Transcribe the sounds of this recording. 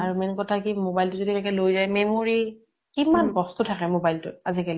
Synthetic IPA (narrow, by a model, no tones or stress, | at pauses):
aɹumɛnkɔtʰakimobajltʊzodiɛkɛlojzajmemoɹi | kimankɔstutʰakɛmobajltʊ̰t̚azikali